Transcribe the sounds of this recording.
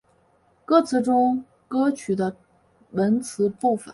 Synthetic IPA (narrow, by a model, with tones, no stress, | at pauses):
kɤ˥˩t͡sʰɹ̩˧˥ʈ͡ʂʊ˥ŋ | kɤ˥t͡ɕʰy˨˩d̪ə˦ | wə˧˥nt͡sʰɹ̩˧˥pu˥˩fə̰˨˩˦